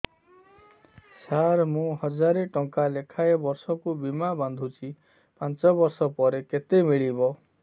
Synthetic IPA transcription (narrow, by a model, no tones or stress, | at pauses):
sʰaɾmũhɔd͡ʒaɾeʈɔŋkalekʰaebɔɾsɔkubimaband̪ʱũt͡ʃʰi | pãnt͡ʃɔbɔɾsɔpɔɾeket̪emiɭibɔ